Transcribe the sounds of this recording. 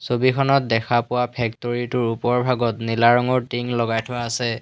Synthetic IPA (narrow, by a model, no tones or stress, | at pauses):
sobikʰɔnɔt̚dɛkʰapʊwapʰɛk̚toɹitʊɹupɔɹbʱaɡɔtnilaɹɔŋɔɹtiŋlɔɡajtʰʊwaːsɛ